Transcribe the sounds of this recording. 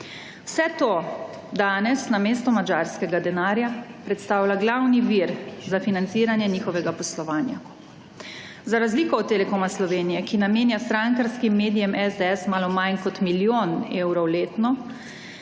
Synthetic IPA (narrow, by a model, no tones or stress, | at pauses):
wsɛt̪oː | d̪aːnɛsnameːst̪ɔmad͡ʒaɾskɛɡad̪ɛnaːɾjapɾɛt̪st̪aːwlaɡlawniʋiɾzafinant̪siːɾanjɛniːxɔʋɛɡapɔslɔʋaːnja | zaɾazlikɔɔt̪ːelɛkoːmaslɔʋeːnijɛkinameːnjast̪ɾaŋkaɾskimːeːd̪ijɛmɛzd̪ɛɛsmaːlɔmajnkɔt̪miljoːneːwɾɔwleːt̪nɔ